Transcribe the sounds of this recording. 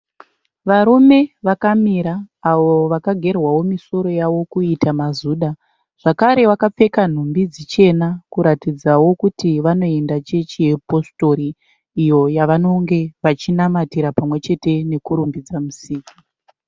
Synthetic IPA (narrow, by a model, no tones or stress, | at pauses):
ʋaɾume̞ʋakamiɾaːʋo̞ʋakaɡʱe̞rwawo̞miso̞ɾo̞jaʋo̞kuitamazuːɗa | ʐ̥akaɾe̞wakap͡fe̞kan̤umbid͡zit͡ʃe̞nakuɾatid͡zawo̞kutiʋano̞e̞ndat͡ʃet͡ʃijepo̞sto̞ɾiː | jo̞jaʋano̞ŋɡe̞ʋat͡ʃinamatiɾapamwe̞t͡ʃe̞te̞ne̞kuɾumbid͡zamusiːku